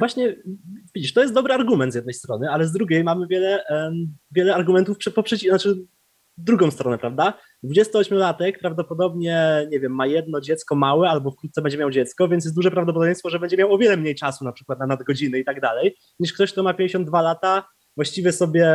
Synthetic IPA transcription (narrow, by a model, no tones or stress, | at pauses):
vwaɕɲɛvʲid͡ʑiʂt̪ɔjɛst̪d̪ɔbɾɘaɾɡumɛnt̪zʲjɛd̪nɛjst̪ɾɔnɘalɛzd̪ɾuɡʲejmamɘvʲjɛlɛ | vʲjɛlɛaɾɡumɛnt̪ufpʂɛpɔpʂɛt͡ɕinat͡ʂɘ | d̪ɾuɡɔ̃w̃st̪ɾɔnɛpɾavd̪a | d̪vud͡ʑɛst̪ɪɔɕmʲulat̪ɛk̚pɾavd̪ɔpɔd̪ɔbɲɛɲɛvʲjɛmːajɛd̪nɔd͡ʑɛt̪skɔmawɛalbɔfkɾut̪t̪sɛbɛɲd͡ʑɛmʲjawd͡ʑɛt̪skɔvʲɛnsjɛsd̪uʐɛpɾavd̪ɔp̬ɔd̪ɔvjẽjst̪fɔʐɛbɛɲd͡ʑɛmjawɔvʲjɛlɛmɲejt͡ʂasunapʂɘkwat̪̚nanad̪ɡɔd͡ʑinɘit̪aɡd̪alɛj | ɲiʂkt̪ɔɕk̚t̪ɔmapʲjeɲd͡ʑeɕ̬ɔnd̪valat̪a | vwaɕt͡ɕivʲjɛsɔbʲjɛ